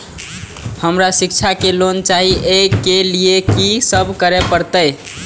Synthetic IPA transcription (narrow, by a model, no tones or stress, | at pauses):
həmɾasikt͡ʃʰakelont͡ʃaɦiʔekeliekisəbʱkəɾepəɾt̪əj